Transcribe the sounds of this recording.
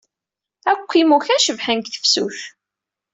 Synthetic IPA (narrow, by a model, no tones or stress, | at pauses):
ækʷːimuçæʃəvħənkθə̥fsṵç